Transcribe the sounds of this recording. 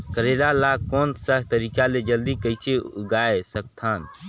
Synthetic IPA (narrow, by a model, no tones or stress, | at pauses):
kəɾeɾalaːkɔːnsəɦt̪əɾiːkaled͡ʒəld̪ikəɪseʊɡaːesək̚t̪ʰaːn